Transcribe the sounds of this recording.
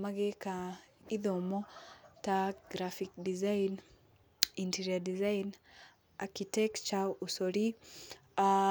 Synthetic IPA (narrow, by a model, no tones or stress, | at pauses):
maɡekaiðomɔtaɡɾafikdizain | inteɾiadizain | akitɛkt͡ʃausoɾi | a